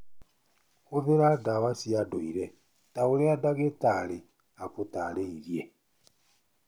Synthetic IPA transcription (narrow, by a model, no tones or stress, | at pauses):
oðeɾadawasiadoiɾɛ | taoɾeadaɣetaɾe | apotaɾeiɾje